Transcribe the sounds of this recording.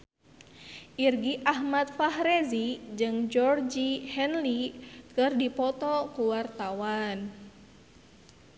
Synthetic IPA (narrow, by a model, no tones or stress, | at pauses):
ʔirɡiʔaɦmat̪̚faɦɾezid͡ʒɨŋd͡ʒɔrd͡ʒihɛnlikɨrdipɔt̪ɔkuwart̪awan